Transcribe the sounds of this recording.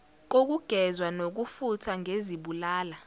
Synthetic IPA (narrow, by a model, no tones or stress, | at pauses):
k̬ok̬uɡ̥ʱɛzwanok̬ufutʰaŋʱeziɓulaːla